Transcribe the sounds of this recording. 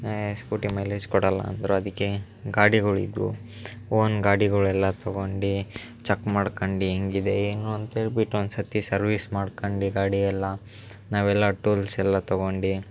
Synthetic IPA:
spuːʈimɐjleːd͡ʒkɔɽɐlːɐ̰ːnd̪ɐɾuɐd̪ikːe | ɡaːɽiɡɐɭḭd̪ṵ | oːnɡaːɽiɡɐɭɛlːɐt̪ɔɡoɳɖi | t͡ʃɐkmaːɖkoɳɖieŋɡid̪e̞eːnuɐnt̪ɐeːɭbiʈːuond̪sɐt̪isɐɾʋiːsmaːɖkoɳɖiɡaːɽiɛlːɐ | naːʋɛlːaːʈuːlsɛlːɐt̪ɔɡoɳɖi

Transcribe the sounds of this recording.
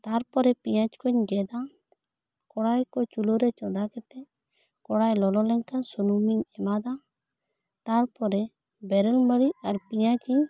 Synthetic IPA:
t̪aɾpɔɾɛpijãt͡ʃkɔɲɡɛd̪a | kɔɽajkɔt͡ʃuloɾɛt͡ʃɔd̪akɛt̪ɛ | kɔɽajlɔlɔlɛŋkansunumiɲɛmad̪a | t̪aɾpɔɾɛ | bɛɾɛlməɾiaɾpijat͡ʃi

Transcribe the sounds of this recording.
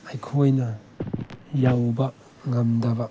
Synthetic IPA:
ajkʰojnɐ | jawbɐ | ŋamdɐbɐ

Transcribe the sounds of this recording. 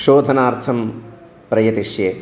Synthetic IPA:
ʃoːd̪ʱɐnaːɾt̪ʰɐm | pɾɐjɐt̪iʂje

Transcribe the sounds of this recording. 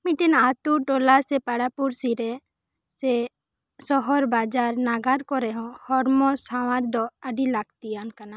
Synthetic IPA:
miʈinaːt̪uʈoːlasepaɽapuɾsiɾe | se | sɔɦɔɾbaːd͡ʒaːɾnaːɡaɾkɔɾeɦɔ̃hɔɾmɔ̃sawãɾd̪ɔɐɖilak̚t̪iankana

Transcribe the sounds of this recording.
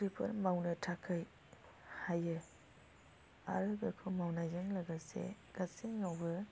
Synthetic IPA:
ɾipʰɐ̰ɾmawnɯtʰakʰɯj | hajɯ | a̰ɾɯɡɯkʰumawnajzɯŋlɯɡɯsḛ | ɡ̥asiŋawbɯ

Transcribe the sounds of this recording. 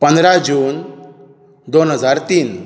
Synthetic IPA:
pə̃nd̪ɾad͡ʑuːn | d̪onɦəd͡zaɾt̪iːn

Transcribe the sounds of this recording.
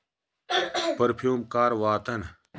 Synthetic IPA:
pɐɾpʰjuːmkaːɾʋaːt̪ɐn

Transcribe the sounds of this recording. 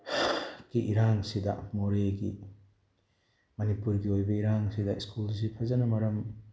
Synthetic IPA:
ɡiʔːɾaŋsidɐ̰moɾeɡi | mɐnipuɾɡiojbɐiɾaŋsidɐiskuls̬ipʰɐzɐnɐmɐɾɐm

